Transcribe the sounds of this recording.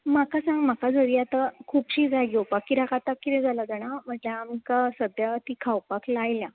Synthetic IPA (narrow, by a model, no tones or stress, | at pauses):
makasãŋɡm̤akad͡zəɾiat̪akʰuːpɕid͡zaɡowpakːiɾakat̪akːiɾɛ̃d͡zʱalad͡zaɽ̃am̤əɳd͡zeamikasəd̪jat̪ikʰawpaklajlja